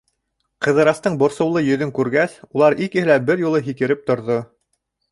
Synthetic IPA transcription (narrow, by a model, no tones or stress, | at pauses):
qɤ̆ðɤ̆ɾɑst̪ɤɴbŏɾsŏwlˠɤjɵ̆ðɵŋkʉɾɡæsulˠɑɾikɘ̆hɘ̆læbɘɾjulˠɤɦikɘ̆ɾɘp̚t̪ŏɾðo